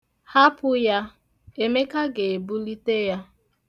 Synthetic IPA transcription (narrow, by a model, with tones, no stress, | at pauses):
ha˦pʊ˦ja˦ | e˦me˦ka˦ɡe˨bu˦li˦te˦ja˦